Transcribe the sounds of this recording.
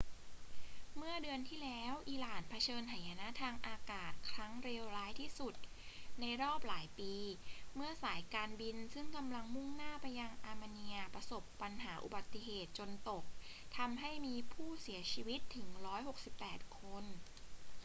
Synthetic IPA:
mɯ˥˩ɐdɯ˧ənt̪ʰiː˥˩lɛː˦˥wʔiː˧laː˨˩npʰa˧t͡ɕʰɤː˧nt̪ʰa˨˩˦ja˧na˦˥t̪ʰaː˧ŋʔaː˧kaː˨˩t̪̚kʰɾa˦˥ŋɾe˧wɾaː˦˥jt̪ʰiː˥˩su˨˩t̪̚ | na˧jɾɔː˥˩p̚laː˩˦jpiː˧mɯ˥˩ɐsaː˩˦jkaː˧nbi˧nsɯ˥˩ŋka˧mla˧ŋmu˥˩ŋnaː˥˩pa˧jːa˧ŋʔaː˧ma˧ni˧ɐpɾa˧so˨˩pːa˧nɦaː˩˦ʔṵ˨˩ba˨˩t̪ːi˨˩ɦeː˨˩t̪̚t͡ɕo˧nt̪o˨˩k̚ | t̪ʰa˧mɦa˥˩jmiː˧pʰuː˥˩si˩˦t͡ɕʰiː˧wi˦˥t̪ʰːɯ˩˦ŋɾɔː˦˥jɦo˨˩k̚si˨˩pːɛː˨˩t̪̚kʰo˧n

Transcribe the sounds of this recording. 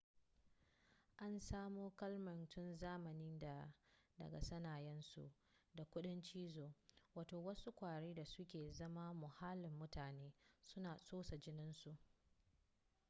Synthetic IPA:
ʔa˦nsaː˦moː˦kɐ˦lmɐ˨ntʊ˦nzaː˦mɐ˨niː˦da˨dɐ̰˨ɡa̰˨sɐ˦naː˨jɛ˦nsṵ˨ʔ | da˨kʷʊ˦ɗɪ˦nt͡ʃiː˦zoː˨waː˨toː˨wɐ˦su˦kʷaː˨ɽeː˦da˨sʊ˦kʲeː˨zɐ˦ma˦mʊ˨ha˦lɪ˨mːʊ˦taː˨neː˦sʊ˦naː˨soː˦sa˨d͡ʒɪ˦nɪ˦nsu˨ʔ

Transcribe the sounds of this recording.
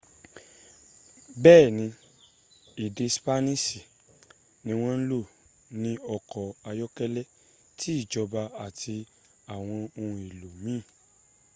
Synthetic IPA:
bɛː˦˨nĩ˧ | i˨de˧spa˦nĩ˦si˨ | nĩ˧w̃ɔ̃˦n̩˦lo˦˨ | nĩ˦ɔ˧kɔ˨a˧jɔ˦kɛ˦lɛ˦ | ti˦i˦˨d͡ʒɔ˧ba˧a˨tʰi˧ | a˨w̃ɔ̃˧o˧ũ˧i˨lo˨mĩ˦˨

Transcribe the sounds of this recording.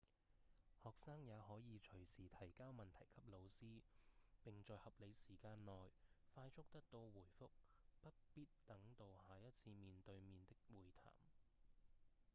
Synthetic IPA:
hɔː˨˩k̚saː˥ŋjaː˨˧hɔː˨˥jiː˨˧t͡ʃʰɵ˨˩ɥsiː˨˩t̪ʰɐ˨˩jkaː˥wmɐ˨nt̪ʰɐ˨˩jkʰɐ˥p̚lo˨˧wsiː˥pɪ˨ŋt͡ʃɔː˨˧jhɐ˨p̚le˨˧jsiː˨˩kaː˧nːɔː˨jfaː˧jt͡sʰʊ˥k̚t̪ɐ˥k̚t̪o˧wwuː˨˩jfʊ˥k̚pɐ˥t̚piː˥t̚t̪ɐ˨˥ŋt̪o˧whaː˨jɐ˥t̚t͡sʰiː˧miː˨nt̪ɵ˧ɥmiː˨˧nt̪ɪ˥k̚wuː˨˩jt̪ʰa̰ː˨˩m

